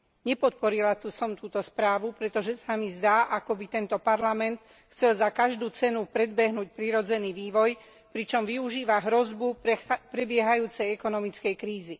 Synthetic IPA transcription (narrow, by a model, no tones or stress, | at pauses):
ɲɛpɔt̪̚pɔɾilat̪usɔmt̪uːt̪ɔspɾaːʋupɾɛt̪ɔʒɛsamizd̪aːʔakɔbit̪ɛnt̪ɔpaɾlamɛnt̪ | xt͡sɛlzakaʒd̪uːt͡sɛnupɾɛd̪̚bɛɦnuːc̚pɾiɾɔd͡zɛniːʋiːʋɔj | pɾit͡ʃɔmʋiuʒiːʋaɦɾɔzbupɾɛbɪɛɦajuːt͡sɛjɛkɔnɔmit͡skɛjkɾiːzi